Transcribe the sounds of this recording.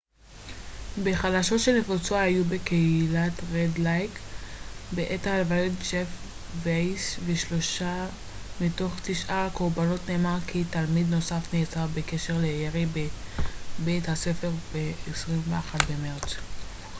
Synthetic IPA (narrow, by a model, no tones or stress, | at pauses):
be̞χalaʃo̞tʃelnefot͡soaajube̞keilatʁedlajk | beʔetaːlvajotd͡ʒef | vejsveʃlo̞ʃa | mito̞χt̪iʃʔakoʁbano̞tne̞ːmaʁkʰitalmid̪no̞safne̞ːt͡saʁbeke̞ʃeʁleeʁib | bejthase̞fe̞ʁbeesʁimveaχatbe̞meʁt͡s